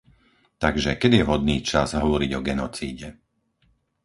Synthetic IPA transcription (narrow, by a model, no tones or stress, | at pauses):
t̪aɡʒɛkɛd̪ijɛɦɔd̪̚niːt͡ʃa̰zɦɔʋɔɾiɟɔɡɛnɔt͡siːɟɛ